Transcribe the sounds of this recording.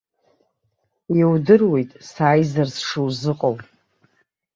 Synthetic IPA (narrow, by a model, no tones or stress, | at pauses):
iwdɨrwe̞jtʼsaːjzarsʂɨwzɨqʼow